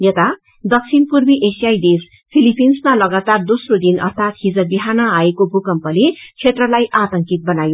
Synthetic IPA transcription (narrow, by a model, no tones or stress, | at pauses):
jʌt̪a | d̪ʌk̚t͡sʰinpurbiʔesijajd̪es | pʰilipinsmalʌɡat̪ard̪osrod̪inʌ̰rt̪ʰat̪ɦid͡zʌbiɦanʌaekobʱukʌmpʌlet͡sʰet̪rʌlajʔat̪ʌŋkit̪̚bʌnajo